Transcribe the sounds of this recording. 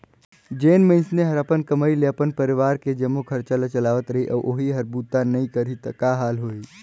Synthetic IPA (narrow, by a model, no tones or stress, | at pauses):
d͡ʒeːnmẽɪ̃nsneɦɐɾapənkɐməileɐpənpɐɾɪʋaːɾked͡ʒɐmːokʰɐɾt͡ʃalət͡ʃɐlaːʋət̪ɾɐɦiʔɔ̰ːʔoːɦiɦɐɾbuːt̪anɐɦĩkəɾit̪ɐkaːɦaːlɦoːiː